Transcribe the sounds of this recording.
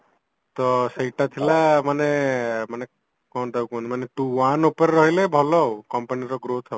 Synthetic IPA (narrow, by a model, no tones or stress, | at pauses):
t̪ɔsəjʈat̪ʰilamanemane | kɔnd̪awkuɔ̃nmanet̪uwanupɔɾeɾɔɦilebʱɔlɔkɔmpaniɾɔɡɾot̪ʰɔ